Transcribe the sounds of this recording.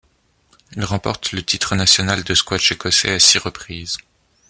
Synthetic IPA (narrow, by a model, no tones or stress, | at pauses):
ilʁɑ̃pɔ̰ʁt̪lət̪ʰit̪χənasjɔnald̪əskwaʃekɔsɛ̰asiʁəpχiːz